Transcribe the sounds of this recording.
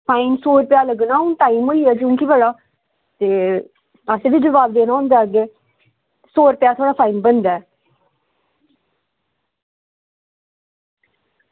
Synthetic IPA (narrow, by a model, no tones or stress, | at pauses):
pʰaːinsoːɾpjaːləɡnãːʊnʈ̪aːimɦoːiaːkjõːkibəɽaː | t̪eː | əseːbid͡ʒəʋaːbd̪eːnaːʊ̃nd̪eaːɡeː | soːɾpɪjaːt̪ʰoːɽaːpʰaːinbənd̪aːɛ